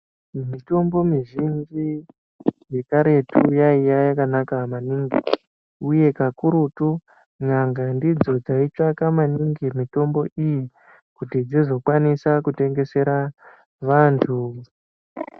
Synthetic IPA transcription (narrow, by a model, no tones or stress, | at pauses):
mito̞mbo̞miʐind͡ʒi | je̞kaɾe̞tujaijajakanakamaniŋɡi | uje̞kakuɾutu | ɲaŋɡandid͡zo̞d͡zait͡ʂakamaniŋɡimito̞mbo̞ʔiji | kutid͡zizo̞kwanisakute̞ŋɡe̞se̞ɾa | ʋaːntʰu